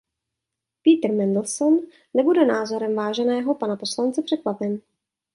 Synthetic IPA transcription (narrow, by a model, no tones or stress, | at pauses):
piːt̪r̩mɛndl̩sonː | ɛbudɛnaːzo̞ɾɛmvaːʒɛnɛːɦo̞panaposlant͡sɛpr̝̥ɛkvapɛn